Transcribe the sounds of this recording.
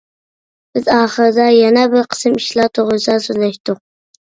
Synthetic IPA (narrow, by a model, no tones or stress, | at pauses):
b̥ɪzɑːχəɾd̪ajanabɪɾqʰə̥sɨmiʃlɑt̪ʰoʁɨsasozaʃt̪ʊq̚